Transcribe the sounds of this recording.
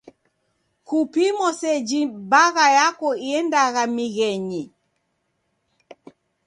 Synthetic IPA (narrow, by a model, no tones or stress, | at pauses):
kupimɔsɛd͡ʒibaɣajakɔiɛndaɣamiɣɛɲi